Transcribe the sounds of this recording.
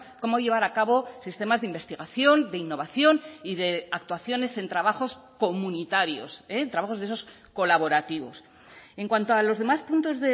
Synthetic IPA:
ko̞mo̞ʝe̞β̞aɾakaβo̞sist̪e̞mazðimbe̞st̪iɣaθjo̞nd̪e̞inːo̞βaθjo̞niðe̞ak̚t̪waθjo̞ne̞se̞nt̪ɾaβaxo̞sko̞munit̪aɾjo̞̰sent̪ɾaβaxo̞zðeso̞s | ko̞laβ̞o̞ɾat̪iβo̞̰s | e̞ŋkwant̪oalo̞zðe̞maspunt̪o̞zðe

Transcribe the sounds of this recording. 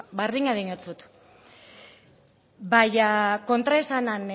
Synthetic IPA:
baɾðiŋaðiɲot͡sut̪ | bajako̞nt̪ɾaesanan

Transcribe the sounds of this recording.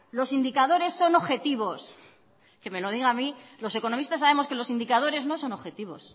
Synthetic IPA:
lo̞sind̪ikaðo̞ɾe̞sːo̞no̞βxe̞t̪iβo̞s | ke̞me̞lo̞ð̞iɣaːmilo̞se̞ko̞no̞mist̪asːaβe̞moske̞lo̞sind̪ikað̞o̞ɾe̞zno̞so̞no̞xe̞t̪iβ̞o̞̰s

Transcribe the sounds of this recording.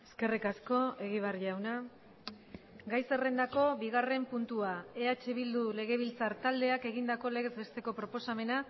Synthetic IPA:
eske̞rikasko̞e̞ɣ̞iβ̞arʝawna | ɡajse̞re̞nd̪ako̞βiɣ̞are̞mpunt̪uae̞at͡ʃe̞βild̪ule̞ɣ̞e̞β̞ilt͡saɾt̪ald̪e̞ake̞ɣind̪ako̞le̞ɣe̞zβe̞st̪e̞ko̞pɾo̞po̞same̞na

